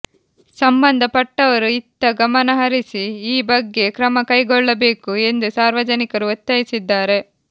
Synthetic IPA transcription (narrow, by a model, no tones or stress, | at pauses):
sɐmbɐnd̪ʱɐpɐʈːɐʋɐɾuit̪ːɐɡɐmɐnɐɦɐɾisiiːbɐɡːe̞kɾɐmɐkɐjɡɔɭːɐbe̞ːkue̞nd̪usaːɾʋɐd͡ʒɐnikɐɾuot̪ːɐjisid̪ːaːɾe̞